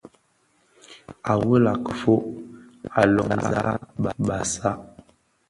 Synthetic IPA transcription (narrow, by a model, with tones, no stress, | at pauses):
a˨wə˦la˨kə̥˨fo˦ | a˨lɔ̰˨ŋn˨a̰˨˦ɓa˨ɓa˨sa˦